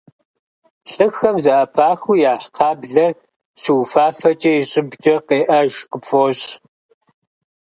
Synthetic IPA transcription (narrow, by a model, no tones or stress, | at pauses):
ɬɨxɐmzɐʔɐpʰaːxujaːħqʰɑːbɮɐr | ɕɪwfaːfɐt͡ʃʼɐɪɕʼɪbt͡ʃʼɐqeːʔɐʒqəpfoɕʼ